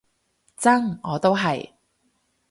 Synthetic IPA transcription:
t͡sɐ˥ŋɔː˨˧t̪o˥wɦɐ˨j

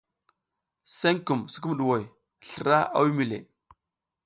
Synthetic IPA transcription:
se˦ŋku˨msə˦k̬u˦m˨ɗu˨wo˨j | ɬə˨ɾa˦ʔa̰˦wi˦mi˨lḛ˨

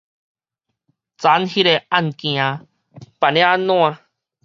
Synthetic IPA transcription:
t͡sa˨˦nhi˦ɾe˨a˦˧nkĩ˨ã˧ | pa˨nẽ˦a˦nõ˦ã˧

